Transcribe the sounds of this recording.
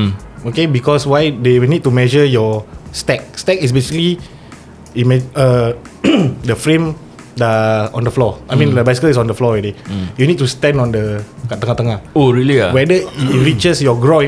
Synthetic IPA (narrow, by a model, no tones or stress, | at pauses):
okebikɔswajdewnit̚tumɛʒəjɔstɛk̚stɛkis̬besikəli | imɛə | dəfɹẽm | dəɔ̰̃ndəflɔajmĩnləbasi̥kəlisɔ̃ndəflɔwidejunid̚tustɛ̃ndɔ̃ndəkat̪əŋat̪əŋahoɹiliawɛdəiɹit͡ʃəsjɔɡɹõ